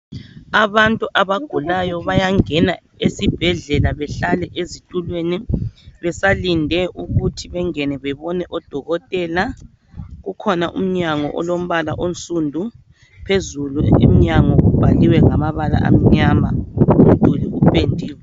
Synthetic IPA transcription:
aβantʼuʔaβaɡ̥ʱulajɔβajaŋɛna | esib̥ʱɛɮɛlaβɛɬalɛʔezitʼulweniβɛsalindʱɛʔuɣutʰiβɛŋɛnɛβɛβɔnɛʔɔd̥ʱɔɣɔtʼɛla | ɣukʰɔnaʔṵm̩ɲaŋɔ̰ʔɔ̰lom̩βala̰ʔont͡sʼundʱu | pʰezuluḭm̩ɲaŋɔɣub̥ʱaliwɛŋamaβala̰ʔa̰m̩ɲama̰um̩d̥ʱuliupʰendʱiːwɛ

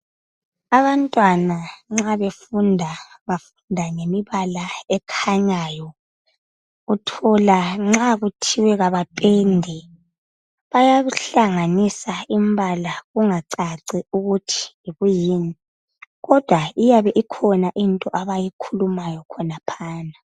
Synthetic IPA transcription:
aβantʼwanaŋ͡ǁaβefundʱaβafu̥ndʱaŋemiβalaɛkʰaɲajɔ | utʰɔlaŋ͡ǁaɣutʰiwɛɣaβapʼɛndʱɛ | βajaɬaŋanisaimbalaɣuŋaǀaǀiuɣutʰi̥iɣujiːni | ɣɔd̥ʱwaijaβɛʔikʰɔnaʔintʼɔʔaβajikʰulumajɔkʰɔnapʰaːna

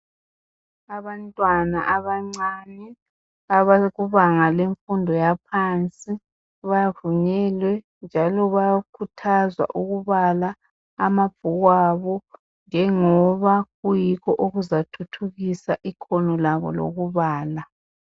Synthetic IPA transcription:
aβantʼwana̰ʔaβaŋ͡ǀanɛ | aβaɣuβaŋaleɱfundʱɔjapʰant͡sʼi | βajavuɲɛlwɛ | nd͡ʒʱalɔβajakʰutʰazwa̰ʔuɣuβalaː | mabb̥ʱuɣwaβɔ | ŋɛŋɔβaɣujikɔʔoɣuzatʰutʰuɣisaʔikʰɔnɔlaβɔ̰lo̰ɣuβaːla

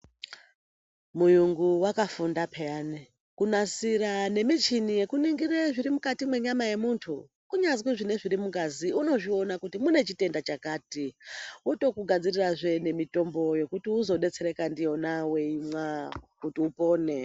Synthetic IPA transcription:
mujuŋɡuwakafundapʰeani | kunasiɾane̞mit͡ʃinije̞kuniŋɡireʐirimukatimwe̞ɲamaje̞muntʰu | kuɲazwiʐine̞ʐiɾimuɡaziuno̞ʐio̞nakutimune̞t͡ʃite̞ndat͡ʃakaːtiuto̞kuɡʱad͡ziriraʐe̞ne̞mito̞mbo̞je̞kutiuzo̞ɗe̞t͡se̞ɾe̞kandijo̞nawe̞imwakutiupo̞ːne

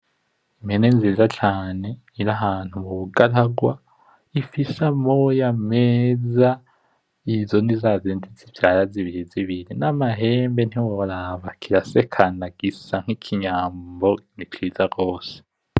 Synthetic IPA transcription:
imenenziːzat͡ʃaːne̞ | iɾaɦaːn̥humuβuɡaɾaɡwa | ifisamojameza | izonizazentʰit͡sivjaɾaziβiɾiziβiɾinamaɦeːmbe̞n̥hiwoɾaβakʰiɾasekʰanaɡ̥isaŋ̥hikʰiɲaːmbo̞nit͡ʃiːzaɡo̞ːse̥

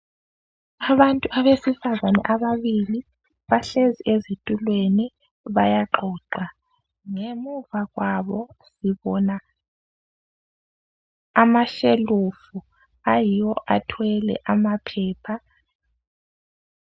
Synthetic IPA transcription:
aβantʼuʔaβesifazanɛ̰ʔaβaβili | βaɬeziʔezitʼulweni | βajaǃʱɔːǃa | ŋemuvaɣwaβɔsiβɔːna | maʃelufu | ajijwɔʔatʰwɛlɛ̰ʔamapʰɛːpʰa

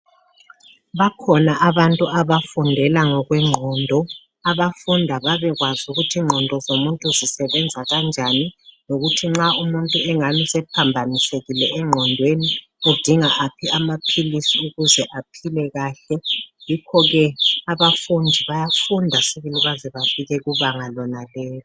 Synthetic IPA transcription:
βakʰɔnaʔaβantʼuaβafundʱɛlaŋɔɣwɛŋ͡ǃʱɔndʱɔ | aβafundʱaβaβɛɣwazuɣutʰiŋ͡ǃʱɔndʱɔzomuntʼuzisɛβɛnd͡zʱaɣand͡ʒʱaninoɣutʰiŋ͡ǁaumuntʼuɛŋamisɛpʰambʱaniseɣilɛɛŋ͡ǃʱɔndʱweni | ud̥ʱiŋaʔapʰiamapʰilisiuɣuzɛʔapʰilɛɣaːɬɛjikʰɔɣɛaβafundʱiβajafundʱasiβiliɣazɛβafiɣɛɣuβaŋalɔnalɛːlɔ

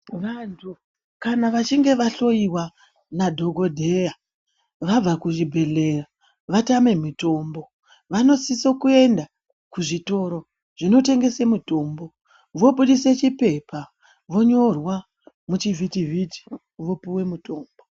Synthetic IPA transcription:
ʋantʰu | kanaʋat͡ʃiŋɡe̞ʋaɬo̞iwa | nadʱo̞ɡʱo̞dʱe̞ja | ʋab͡vakuʐibʱe̞ɮe̞ra | ʋatame̞muto̞mbo̞ | ʋano̞sisokue̞nda | kuʐito̞ɾo̞ | ʐ̥ino̞te̞ŋɡe̞semuto̞ːmbo̞ | ʋo̞ɓuɗise̞t͡ʃipe̞pa | ʋo̞ɲo̞rwa | mut͡ʃivʱitiviti̥ | ʋo̞puwe̞muto̞ːmbo

